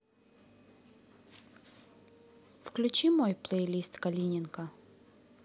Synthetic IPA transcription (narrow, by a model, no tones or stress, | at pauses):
fklʲʉt͡ɕimojplˠejlʲist̪kɐlʲinʲɪnkə